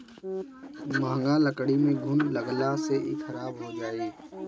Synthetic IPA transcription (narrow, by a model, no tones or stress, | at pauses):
mãːŋɡãləkɽimẽɡʱʊnləɡlaseʔikʰəɾaːbɦod͡ʒaːi